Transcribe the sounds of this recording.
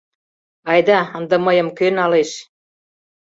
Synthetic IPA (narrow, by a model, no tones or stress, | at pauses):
ɑjd̪ɑə̆nd̪ə̆məjə̆mkønɑleʃ